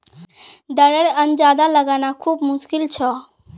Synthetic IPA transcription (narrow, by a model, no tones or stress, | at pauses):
d̪əɾeɾənd͡ʒad̪aləɡanakʰuːbmuskilt͡ʃʰɔ